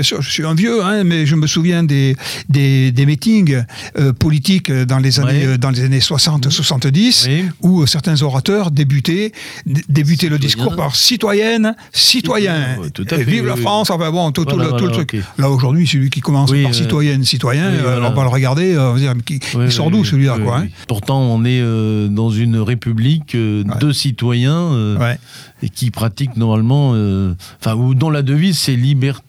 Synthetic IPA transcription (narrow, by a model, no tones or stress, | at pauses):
bjɛ̃sy̰ʁʒəsɥiɛ̃vjøɛ̃mɛʒəməsuvjɛ̃d̪ed̪ed̪emit̪iɡøpɔlit̪ikød̪ɑ̃lezaneød̪ɑ̃lezaneswasɑ̃t̪swasɑ̃t̪d̪isuøsɛʁt̪ɛ̃zɔʁat̪œʁd̪ebyt̪e | d̪ebyt̪eləd̪iskuʁpaʁsit̪wajɛn | sit̪wajɛ̃vivlafχɑ̃sɑ̃fɛ̃bɔ̃t̪ut̪ulət̪ulət̪χyklaoʒuʁd̪ɥisəlɥikʲikɔmɑ̃spaʁʁssit̪wajɛnsit̪wajɛ̃ølɔ̃valəʁəɡaʁd̪eøɔ̃vad̪iʁmɛkʲikisɔ̃ʁd̪usəlɥilakwaɛ̃puʁt̪ɑ̃ɔ̃nɛød̪ɑ̃zynʁepyblikøwɛd̪əsit̪wajɛ̃øwɛ | ekʲipχat̪iknɔʁmalmɑ̃øɑ̃fɛ̃ud̪ɑ̃lad̪əvizsɛlibɛʁ